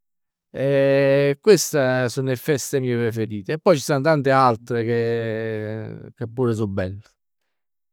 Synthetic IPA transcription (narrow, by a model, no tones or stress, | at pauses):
ɛkwest̪asunːefːɛst̪emiːepɾefeɾiːt̪eɛpːɔjt͡ʃisant̪ant̪ealt̪ɾeke | kepːuːɾes̬ubːɛlː